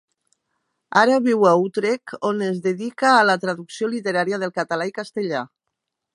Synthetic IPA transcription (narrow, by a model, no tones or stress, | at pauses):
aɾaβiwaut̪ɾekonezðeðikaːlat̪ɾaðuksiolit̪eɾaɾjaðelˠkat̪alaikast̪eʎa